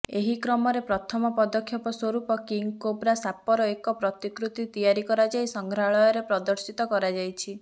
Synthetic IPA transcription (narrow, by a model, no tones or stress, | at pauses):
eɦikɾɔmɔɾepɾɔt̪ʰɔmɔpɔd̪ɔkʰːjɔpɔswɔɾupɔkiŋkobɾasapɔɾɔekɔpɾɔt̪ikɾut̪it̪ijaɾikɔɾad͡ʒajsɔŋɡʱɾaɭɔjɔɾepɾɔd̪ɔɾsit̪ɔkɔɾad͡ʒajt͡ʃʰi